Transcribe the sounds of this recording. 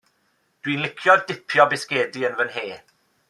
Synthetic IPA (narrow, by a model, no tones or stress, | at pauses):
d̥winlˠɪkʰjɔðd̥ɪpʰjɔbɪskeːdiənvənɦeː